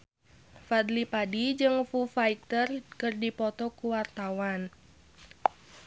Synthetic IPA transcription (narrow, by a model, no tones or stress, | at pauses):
fad̪lipadid͡ʒɨŋfufait̪ərkɨrdipɔt̪ɔkuwart̪awan